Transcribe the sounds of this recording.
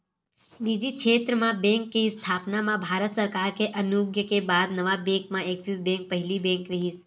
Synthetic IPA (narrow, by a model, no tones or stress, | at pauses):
niːd͡ʒ̪ikʃeːt̪ɾəmãbɛ̃ːŋkːiɪst̪ʰaːpnamãbʱaːɾət̪səɾkaːɾkeʔɐnuɡjəkebaːd̪nɐʋabɛ̃ːŋkmãeːksisbɛ̃ːŋk̚pɐɦɪlibɛ̃ːŋkɾɐɦis